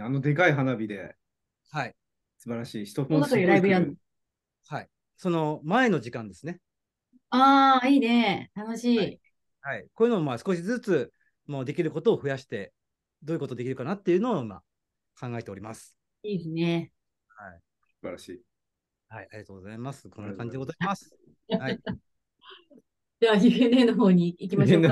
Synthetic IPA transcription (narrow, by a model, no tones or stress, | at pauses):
ano̞d̪e̞kaiɦanabʲid̪e̞ | hai | sɨbaɾaɕiːɕi̥t̪oɸõakiɾaibɯɾa | hai | so̞no̞mae̞no̞ʑikãnd̪e̞sɨne̞ | aːiːne̞t̪anoɕiː | haikoːjɯ̟nommasɨ̥ko̞ɕizɨt͡sɨ | moːd̪e̞kʲiɾɯ̟ko̞t̪o̞ːɸɯ̟jaɕi̥t̪e̞ | d̪oːji̟ko̞t̪o̞d̪e̞kʲiɾɯ̟kanat̪ːe̞jɯ̟noːima̰ | kãŋɡae̞t̪e̞o̞ɾʲimasɨ̥ | iːesɨne̞ | hai | sɨba̰ɾaɕiː | haiaɾiɡat̪oːɡozaimasɨ̥kʰõnːakãɲ̟d͡ʑid̪eozaimasɨ̥ | hai | d͡ʑaaiɸenenoɦo̞ːɲ̟iːkʲima